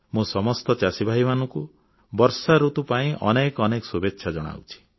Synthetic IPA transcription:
mũsɔmɔst̪ɔt͡ʃasibʱaɦimanɔŋku | bɔɾsaɾut̪upaĩʔɔ̰nekɔnekɔ̥subetːʃʰad͡ʒɔɽ̃a̰wt͡ʃʰi̥

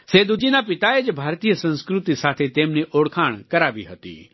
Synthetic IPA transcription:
seːd̪ud͡ʒinapɪt̪aed͡ʒbʱaːɾt̪iːjəsə̃nskɾut̪isaːt̪ʰet̪eːmneʔoːɽkʰaːɳ̃kɐɾaːbḭɦət̪ḭ

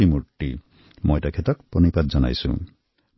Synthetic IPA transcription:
imuʈːi | mɔjtakʰet̪ɔkpɾɔnipad̪d͡ʒɔna̰jsṵ̃

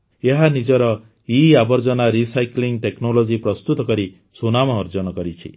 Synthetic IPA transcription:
eɦanid͡ʒɔɾɔ | iabɔɾd͡ʒɔnaɾisajkliŋʈeknolod͡ʒipɾɔst̪ut̪ɔkɔɾi | sonamɔːɾd͡ʒɔnɔkɔɾit͡ʃʰḭ

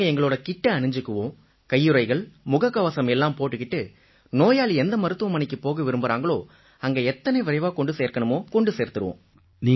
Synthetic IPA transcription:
ɐɛŋɡɐɭoːɽɐkɪʈːɐɐɳɯɲd͡ʒɯkːɯʋõː | kɐjːɯɾɐɪɣɐɭmʊɣɐkːɐʋɐsɐmɛlːaːmpoːʈːɯkːɪʈːɯ | noːjaːliɛnd̪ɐmɐɾɯt̪ːɯʋɐmɐnɪkːɯpoːɣɐʋɪɾɯmbɯɾaːŋɡɐɭoː | ɐŋɡeɛt̪ːɐnɐɪʋɪɾɐɪʋaːkɔɳɖɯseːɾkɐɳɯmoːkɔɳɖɯseːɾt̪ːɯɾɯʋõ̰ː | niː

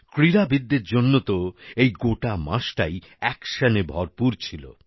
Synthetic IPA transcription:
kɾiɾabid̪ːeɾd͡ʑonːot̪oejɡoʈama̰ʃʈa̰j | ɛkʃanebʱɔɾpuɾt͡ɕʰilo̰

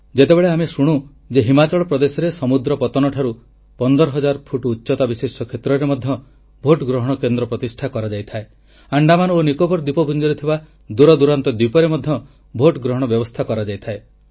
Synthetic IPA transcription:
d͡ʒet̪ebeɭeamesuɽ̃u | d͡ʒeɦimat͡ʃɔɭɔpɾɔd̪esɔɾesɔmud̪ɾɔpɔt̪ɔnɔʈʰaɾu | pɔnd̪ɔɾɔɦɔd͡ʒaɾpʰuʈutːʃɔt̪abisesɔkʰet̪ɾɔɾemɔd̪ʱjɔ | bʱoʈɡɾɔɦɔɽ̃ɔkend̪ɾɔpɾɔt̪isʈʰakɔɾad͡ʒajt̪ʰae | aɳɖamanuonikobɔɾd̪ipɔbʱund͡ʒɔɾet̪ʰiba | d̪uɾɔd̪uɾant̪ɔd̪ipɔɾemɔd̪ʱjɔ | bʱoʈɡɾɔɦɔɽ̃ɔbjɔbɔst̪ʰakɔɾad͡ʒajt̪ʰae

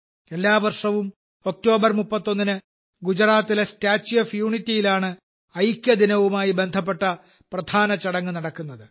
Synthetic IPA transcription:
e̞lːaːʋɐrʂɐʋum | o̞k̚to̞ːbɐrmupːɐt̪ːo̞nːinɨ | ɡud͡ʑɐɾaːt̪ːilestaːt͡ɕːjefjuːɳitːijilaːɳɨ | ɐjkʲːjɐd̪inɐʋumaːjibe̞nd̪ʱɐpːe̞ʈːɐ | prɐd̪ʱʰaːnɐt͡ɕɐɽɐŋːɨnɐɽɐkːunːɐðɨ

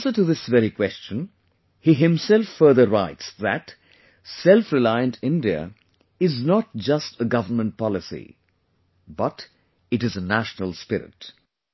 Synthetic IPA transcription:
nsə˞ʈɨðɪsvɛɾikʰwɛst͡ʃə̃n | hiɦɪ̃msɛlfːɜ˞ðəɹaɪtsðæ̰t | sɛlˠfɹɪlaɪə̃ntʰɪ̃ndiə̰ | ɪznət̚d͡ʒʌstʰəɡʌvənmə̃nt̚pʰɑlɪsḭ | bʌt | ɨɾɨzənæʃnəlˠspɪɾɪ̰t

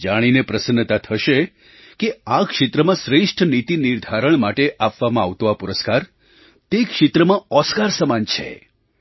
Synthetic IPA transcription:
d͡ʒaɽ̃inepɾəsənət̪at̪ʰəʃe | keakʃɪt̪ɾəmãsɾeʂʈʰənit̪iniɾd̪ʱaɾəɳ̃maʈeʔapʋamãaʋt̪õapuɾəskaɾ | t̪ekʃɪt̪ɾəmãɔskaɾsəmant͡ʃʰḛ

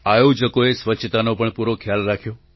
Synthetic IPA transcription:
ajod͡ʒəkoesʋətːʃʰət̪anopəɳpuɾokʰjalɾakʰjo

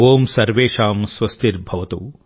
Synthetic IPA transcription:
oːmsɐɾʋeːʂaːmsʋɐst̪iɾbʱɐʋɐt̪u

